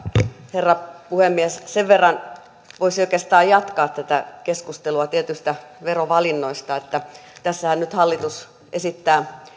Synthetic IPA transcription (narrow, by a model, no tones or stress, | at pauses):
herːɑpuhemːiæsseʋʋerːɑn | ʋoisoikest̪ɑːjjɑt̪kɑːt̪t̪æt̪ækeskust̪eluɑt̪iet̪yst̪æʋeroʋɑlinːoist̪ɑet̪ːæt̪æsːæhænnyt̪hɑlːit̪us | ʔesit̪ːæː